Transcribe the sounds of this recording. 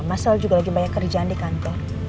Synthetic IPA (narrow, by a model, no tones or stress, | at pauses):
masald͡ʒuɡalaɡibajakːərd͡ʒaʔandikant̪ɔr